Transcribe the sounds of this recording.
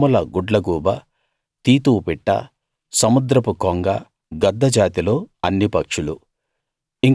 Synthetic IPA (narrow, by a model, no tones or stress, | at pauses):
ulɐɡuɖlɐɡuːbɐ | t̪iːt̪uːpiʈːɐ̰ | sɐmud̪ɾɐpukoŋɡɐ | ɡɐd̪ːɐd͡ʒaːt̪ilo̞ːɐnːipɐkʂulu | iŋ